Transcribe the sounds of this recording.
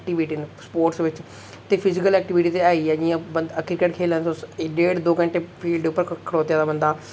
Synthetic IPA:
k̚ʈiʋiʈinspoːɾʈsʋɪt͡ʃ | t̪eːpʰɪzɪkəlɛːk̚ʈɪʋiːʈiːt̪eaːiːɛd͡ʒĩãbəəkʰɪɾkəʈkʰeːlãnosɖeːʈd̪oːkə̃ɳʈeːpʰiːlɖʊpːəɾkʰəɽoːt̪jãːd̪aːbənd̪aː

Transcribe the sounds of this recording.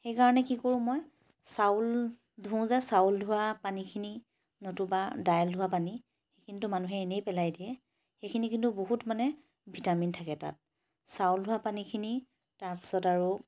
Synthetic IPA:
xejkaɹɔnɛkikoɹʊ̃mɔj | saʊl | dʱũzɛsauldʱuwapanikʰini | notubadajldʱʊwapani | xekʰintʊmanuɦɛːnejpɛlajdiɛ | xekʰinikintuboɦutmanɛ | bʱitamintʰakɛta̰t̚ | sawldʱʊwapanikʰini | taɹpi̥sɔtaɹu

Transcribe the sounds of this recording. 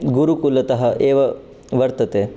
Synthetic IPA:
ɡuɾukulɐt̪ɐɦɐ̆ʔeːʋɐ | ʋɐɾt̪ɐt̪eː

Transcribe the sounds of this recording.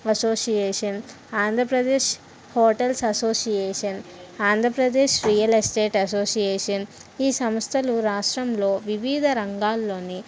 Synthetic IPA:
ɐsoːsijeːʂɐn | aːnd̪ʱɾɐpɾɐd̪eːʃ | hoːʈɐlsɐsoːsijeːʂɐnaːnd̪ʱɾɐpɾɐd̪eːʃɾijɐlesʈeːʈɐsoːsijeːʂɐniːsɐmst̪ʰɐluɾaːʂʈɾɐmlo̞ːʋiʋiːd̪ʱɐɾɐŋɡaːlːo̞ːni

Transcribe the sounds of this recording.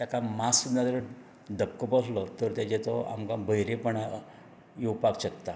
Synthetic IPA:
t̪jakamasud̪nad̪əɾə | d̪əp̚kəpəslɔt̪əɾt̪jat͡ɕet͡s̪ɔa̰mkabʱəjɾepəɳa | jowpakt͡ɕək̚t̪a

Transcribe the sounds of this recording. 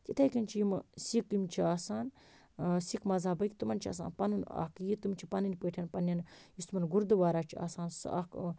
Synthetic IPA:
k̪ʲit̪ʰɐkʲint͡ʃʰijimsikimt͡ʃʰiaːsaːn | sikmɐzaːbɐkʲt̪umɐnt͡ʃʰia̰ːsa̰ːnpɐnuna̰kjit̪umt͡ʃʰipɐninʲpeːʈʰʲɐnpɐnːɐnjist̪umɐnɡuɾd̪ɨʋaːɾaːt͡ʃʰia̰ːsaːnsa̰k

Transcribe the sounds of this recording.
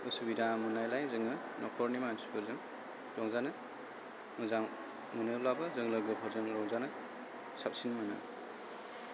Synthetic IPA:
usubidamunajlajzɯŋɯ | nɔkʰɔɾnimanspʰɯɾzɯŋ | tɔŋzanɯ | mɯzaŋ | munɯjblabɐzɯŋlɐɡɯpʰɔɾzɯŋɾɔŋzanɐ | sap̚sinmanɯ̰

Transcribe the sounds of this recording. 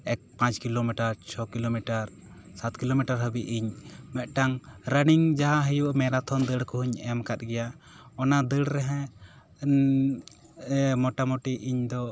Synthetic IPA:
ɛk̚pãt͡ʃkilomiʈaɾt͡ʃʰɔkilomiʈaɾ | sat̪kilomiʈaɾɦəbiʔiɲmɛʔ̪̚ˀʈaŋɾəniŋd͡ʒaɦaɦəjumɛɾat̪ʰɔnd̪əɽkɔɦuɲɛmkat̪̚ˀɡɛja | ɔnad̪əɽɾɛɦɛ̃ | mɔʈamɔʈiiɲd̪ɔ

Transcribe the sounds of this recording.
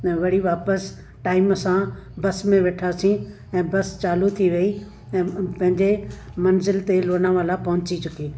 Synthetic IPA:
ɛʋɐɽiʋaːpəs | ʈaːɪmsã | bɐsmẽʋeːʈʰaːsĩ | ɛ̃ːbɐst͡ɕaːlut̪ʰiʋɐi | ɛ̃ːpɐ̃ɦɪ̃ɲd͡ʑemɐnzɪlt̪eloːnãʋalapɐɦʊ̃t͡ɕit͡ɕʊkiː

